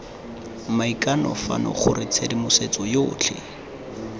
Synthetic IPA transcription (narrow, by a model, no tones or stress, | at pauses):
maikʼanɔ̰fa̰nɔ̰χʊrɪt͡sʰedɪmʊset͡sɔjoːt͡ɬʰɪ̰